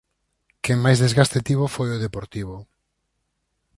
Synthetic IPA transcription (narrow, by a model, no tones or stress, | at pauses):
keŋmajzðezɣast̪et̪iβofojoðepoɾt̪iβo